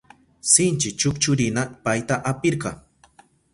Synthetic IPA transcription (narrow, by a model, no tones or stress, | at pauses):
sɪnt͡ʃɪt͡ʃʊkt͡ʃʊɾɪnapajt̪aʔapɪɾɢɑŋ